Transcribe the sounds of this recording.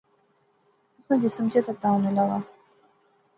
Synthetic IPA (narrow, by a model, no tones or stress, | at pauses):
usaŋcisemt͡ɕet̪at̪aŋnelawa